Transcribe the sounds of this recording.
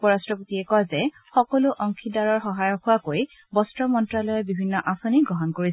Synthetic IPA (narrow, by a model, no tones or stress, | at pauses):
pɔɹastɹɔpotiɛkɔjzɛ | xɔkɔlʊʔɔŋkʰidaɹɔɹxɔɦajɔxʊwakoj | bɔstɹɔmɔntɹalɔjɔbibʱinːɔʔapʰuniɡɔɦɔnkoɹis